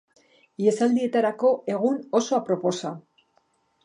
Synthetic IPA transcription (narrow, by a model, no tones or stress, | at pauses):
jesald̪ie̞t̪aɾako̞e̞ɣ̞uno̞so̞apɾo̞po̞sa